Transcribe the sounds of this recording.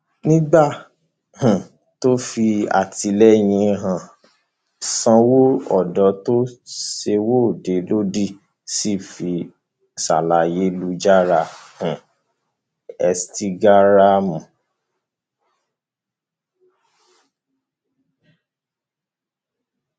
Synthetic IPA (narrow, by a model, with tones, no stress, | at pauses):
nĩ˦ɡ͡ba˦˨ | hũ˨ | to˦fi˧a̰˨ti˨˧lɛ˦j̃ĩ˧ɦã˨ | sã˧wo˦ɔ˦˨dɔ˨˦to˦ʃe˧wo˦˨de˨lo˦di˦˨ | si˦fi˧ | sa̰˨la˨je˨˦lu˦d͡ʒa˦ɾa˧hũ˨ | ɛ˧sti˦ɡa˦ɾa˦mũ˨